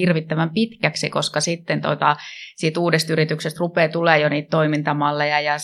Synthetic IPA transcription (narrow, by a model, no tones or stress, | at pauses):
irʋit̪ːæʋæmpit̪kæksikoskɑsit̪ːent̪o̰t̪ɑsiːt̪uːdest̪yrit̪yksest̪rupeːt̪uleːjoniːt̪t̪oimint̪ɑmɑlːejɑjɑ